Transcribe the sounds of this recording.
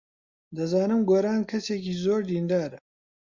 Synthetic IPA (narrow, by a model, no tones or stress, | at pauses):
d̪ɐzaːnɨmɡoːɾaːnkʰɐseːkiːzoːɾd̪iːnd̪aːɾɐ